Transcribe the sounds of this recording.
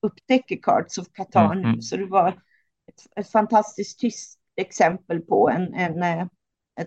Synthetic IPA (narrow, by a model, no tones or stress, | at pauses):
ɵpːt̪ʰɛkːəɾkʰɑ̰ːɖsɔvkʰat̪ʰɑ̰ːɳʉ̰ːsɔd̪ɛvaɾ | ɛt̪ɛt̪fant̪ʰast̪ɪsk̚t̪ʰːʏstt̪ɛksɛmpəlpʰɔɛnɛn | ɛ